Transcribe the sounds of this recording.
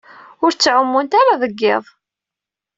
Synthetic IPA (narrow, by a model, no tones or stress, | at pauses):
ʊɾt͡sːʕʊmːunt̪aɾaðəɡːɪ̰ðˤ